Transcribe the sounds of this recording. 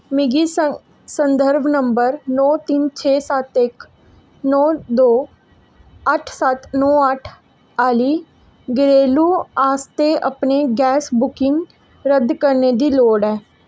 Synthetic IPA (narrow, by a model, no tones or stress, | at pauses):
mɪɡiː | sənd̪əɾbnəmbəɾnɔːt̪int͡ʃʰeːsət̪ɪk | nɔːd̪oː | əʈʰsət̪nɔːəʈʰ | aːliː | ɡɪɾeːluːaːst̪eːʔəpneːɡɛːsbʊkɪŋ | ɾəd̪kəɾneːd̪iːloːɖɛː